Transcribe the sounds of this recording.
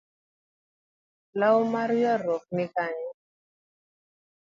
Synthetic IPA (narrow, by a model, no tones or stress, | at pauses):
lawmaɾjɔɾɔk̚nɪkaɲɛ